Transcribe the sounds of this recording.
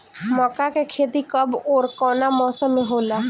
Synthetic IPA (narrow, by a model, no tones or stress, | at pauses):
mɔkakekʰeːt̪ikəbɔːɾkɔːnamɔːsəmːẽɦoːlaː